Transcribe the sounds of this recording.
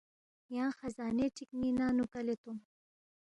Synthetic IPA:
jɑ̃ːxazɑːneʈ͡ʂikninaːnukalet̪um

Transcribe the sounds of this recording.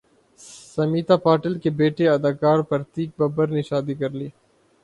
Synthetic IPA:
sɐmiːt̪apaːʈəlkebeːʈeɐd̪aːkaːɾpɐɾt̪iːk̚bɐbəɾneʃaːd̪ikɐɾliː

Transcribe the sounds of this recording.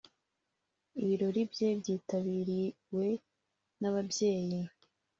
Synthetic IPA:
iβiɾo̞ɾibje̞bjiːtaβiɾi | we̞ | naβabje̞ːji

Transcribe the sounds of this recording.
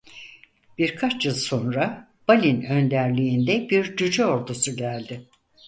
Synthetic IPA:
b̥iɾkʰat͡ʃjɯlˠso̞nɾa | b̥alʲinø̞nd̪æɾlʲiːnd̪ɛbiɾd͡ʒyd͡ʒɛo̞ɾd̪usuɟælʲd̪ɪ

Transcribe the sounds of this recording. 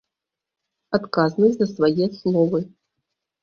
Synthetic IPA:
at̪kaznɐzɐsvajɛaslˠɔvɨ

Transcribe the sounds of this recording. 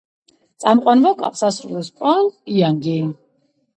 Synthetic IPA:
t̪sʼamqʼwanvɔkʼa̰qʼsasɾulɛspʼɾʼɔliaŋɡi

